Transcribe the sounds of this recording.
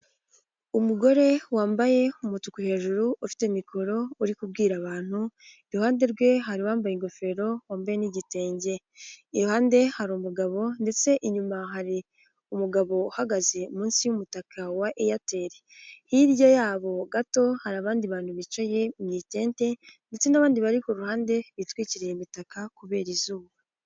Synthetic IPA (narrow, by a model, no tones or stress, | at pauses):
umuɡo̞ɾe̞waːmbaje̞umutukuhe̞ːʒuɾuʔufi̥temikʰo̞ɾo̞uɾikub̚ɡiːɾaβaːn̥huiɾuhaːnde̞ɾɡwe̞ɦaɾiwaːmbajiŋɡo̞fe̞ɾo̞waːmbaje̞niɟite̞ːɲɟe̞ | iɾuhaːnde̞haɾumuɡaβo̞nde̞t͡se̞ʔiɲumaɦaɾi | umuɡaβo̞uhaɡaze̞umuːnsiwumutakʰawaʔejate̞ɾeiɾjojaːβo̞ɡato̞haɾaβaːndiβaːn̥huβit͡ʃaje̞mɲiːte̞ːnte̞nde̞t͡se̞naβaːndiβaɾikoɾuhaːnde̞βitwiːciɾejimitakakuβe̞ːɾizuːβa